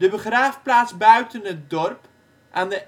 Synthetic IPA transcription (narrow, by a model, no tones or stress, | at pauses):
dəbəχraːfplaːtzbœɥtənɦət̚dɔrp | ʔaːndə